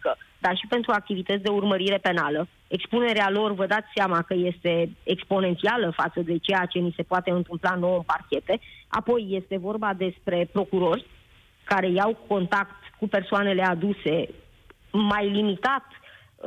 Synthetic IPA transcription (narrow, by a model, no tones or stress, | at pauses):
kəd̪arʃipe̞nt̪ɾuak̚t̪ivit̪ət̪sʲd̪e̞urməɾiɾe̞pe̞nalə | ekspune̞ɾealo̞rvəd̪at̪sʲseamakəje̞st̪e̞ekspo̞ne̞nt̪sialəfat̪səd̪e̞t͡ʃejat͡ʃe̞nise̞poat̪e̞ɨnt̪ɨmplano̞wəmparkʲe̞t̪e̞a̰po̞jːe̞st̪e̞vo̞rbad̪e̞spɾe̞pɾo̞kuɾo̞rʲ | kaɾe̞jawko̞nt̪akt̪kupe̞rsoane̞le̞ad̪use̞ | majlimit̪at̪